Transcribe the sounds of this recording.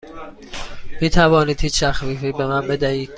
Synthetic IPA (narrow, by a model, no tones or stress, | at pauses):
miːt̪ʰævɒːniːd̪̥hiːt͡ʃt̪ʰæxviːfiːbe̞mænbe̞d̪æhiːd̪̥